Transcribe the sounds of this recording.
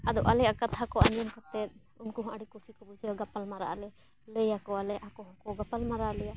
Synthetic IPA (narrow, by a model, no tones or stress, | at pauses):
ad̪ɔʔalɛakat̪ʰakɔʔaɲd͡ʒɔnkat̪ɛt̪̚ˀ | unkuɦɔ̃ʔaɽikɔsikɔbud͡ʒɡapalmaɾa̰ʔalɛ | ləjakɔalɛʔakɔɦɔ̃kɔɡapalmaɾalɛja